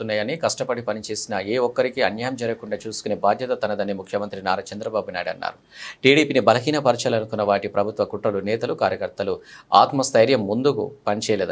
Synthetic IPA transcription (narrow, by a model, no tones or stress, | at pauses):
t̪unːaːjɐnikɐʂʈɐpɐɽipɐnit͡ʃe̞ːsinɐeːɔkːɐɾikiɐnjɐːjɐmd͡ʒɐɾɐkuɳɖaːt͡ʃuːsu̥kuneːbʱaːd̪ʱjɐt̪ɐt̪ɐnɐd̪ɐnːimukʰjɐmɐnt̪ɾinaːɾɐt͡ʃɐnd̪ɾɐbaːbunaːjɖɐnːa̰ːɾu | ʈiːɽiːpiːnibɐlɐɦiːnɐpɐɾt͡ʃɐlɐnukunːɐʋaːʈipɾɐbʱut̪ʋɐkuʈːɾɐlunɛːt̪ɐlukaːɾjɐkɐɾt̪ɐlua̰ːt̪mɐst̪ʰɐjɾjɐmːund̪ukṵpɐnit͡ʃɛːjɐled̪u